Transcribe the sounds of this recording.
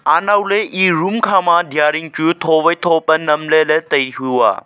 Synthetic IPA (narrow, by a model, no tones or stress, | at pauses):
aːnaːuleʔiːɾuːmkʰãːmãːd̪ʱjaːɾiŋt͡ʃujut̪ʰoːʋɐjt̪ʰoːpɐnɐmlelet̪ɐiɦujua̰ː